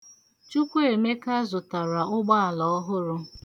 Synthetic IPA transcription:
t͡ʃu˦kʷe˨me˦ka˦zʊ˨ta˨ɾa˨ʊ˦ɡ͡ba˦a˨lɔ˨ɔ˦ɦʊ˦ɾʊ˦

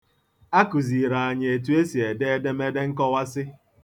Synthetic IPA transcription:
a˦ku˨zi˨ɾa˨a˨ɲ˨e˨tu˨˦e˦si˨e˨de˦e˦de˦me˦de˦ŋ̩˦kɔ˦wa˦sɪ˦

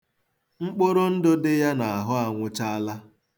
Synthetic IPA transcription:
ŋ͡m̩˦k͡po˦ɾo˦n̩˦dʊ˦dɪ˦ja˦na˨a˨ɦʊ˦a˨ŋʷʊ˦t͡ʃa˦a˦la˦

